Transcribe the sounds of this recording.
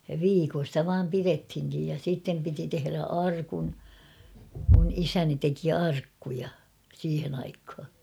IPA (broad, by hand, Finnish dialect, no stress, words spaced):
jɑ ʋiːkon̞ stæ ʋɑːm pirethiŋkij jɑ siˑtːem piti tehĕræ ɑrkun mun isæni teki ɑrkːujɑ siːhen ɑikhɑ